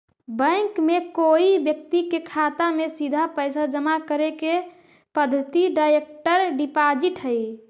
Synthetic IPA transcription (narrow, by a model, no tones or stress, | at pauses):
bə̃ɪkmekoibjəkt̪ikekʰat̪amesid̪ʱapəjsad͡ʒəmakəɾeke | pəd̪ʱːət̪iɖajek̚ʈəɾɖipad͡ʒiʈɦəj